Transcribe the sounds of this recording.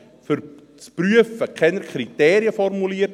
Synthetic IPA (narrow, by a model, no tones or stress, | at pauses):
fʏɾ | t͡spɾyəfəkʰɛnəɾkʰɾiteːɾiəfɔrmuliə